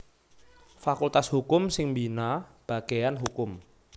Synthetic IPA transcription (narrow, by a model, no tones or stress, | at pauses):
fakult̪ashukʊmsɪŋmbinab̥a̤ɡ̥ejanɦukʊm